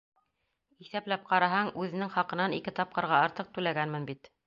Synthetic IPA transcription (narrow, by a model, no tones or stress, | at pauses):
iθæplæp̚qɑɾɑɦɑɴʉðɘ̆nɘŋχɑqɤ̆nɑnikɘt̪ɑp̚qɤ̆ɾʁɑɑɾt̪ɤq̚t̪ʉlæɡænmɘnbit̪